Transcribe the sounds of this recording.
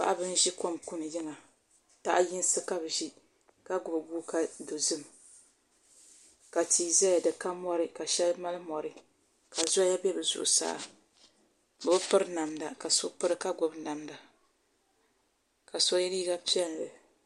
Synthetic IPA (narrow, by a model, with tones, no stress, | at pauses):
pa̰˦ʔa˦bɨ˦n˦ʒi˦ko˦mku˦nɨ˨ji˦ŋa˨ | ta̰˦ʔji˦n˦sɨ˦ka˦bʒi˦ | ka˦ɡʊ˨bɡu˦ka˦do˨zɨ˦m | ka˨tʰiː˨zɛ˦ja˨dɨ˨ka˦mɔ˦ɾɨ˦ka˨ʃɛ˦lma˦lɨ˦mɔ˨ɾɨ˦ | ka˨zja˦bɛ˦bɨ˨zʊ̰˨ʔʊ˨sa̰ː˦ | bʊ˨bɨ˦pɨ˦ɾɨ˦na˨mda˨ka˨so˦pɨ˦ɾɨ˦ka˦ɡʊ˨bna˨mda˨ | ka˨so˦ji˦ɾi˦ɡa˦pi˦ɛ˦n˨lɨ˨